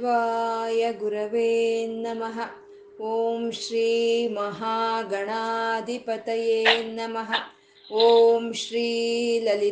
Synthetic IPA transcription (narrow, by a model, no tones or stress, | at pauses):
ʋaːjɐɡuɾɐʋeːnːɐmɐɦɐ̆ | oːmʃɾiːmɐɦaːɡɐɳaːd̪ipɐt̪ɐjeːnːɐmɐɦɐ̆ | oːmʃɾiːlɐli